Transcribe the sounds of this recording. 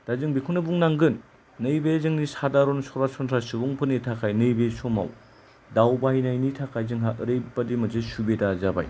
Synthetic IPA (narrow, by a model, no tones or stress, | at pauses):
d̥azɯŋbikʰunɯbuŋnaŋɡɯnː | ɯjbezɯŋnisadaɾonsɔɾasɔntʰɾasubuŋpʰɯnitʰakʰajnɯjbesoma̰w | dawbajnajnitʰakʰajzɯŋɦaɯɾejbadimɐzesubedazaba̰j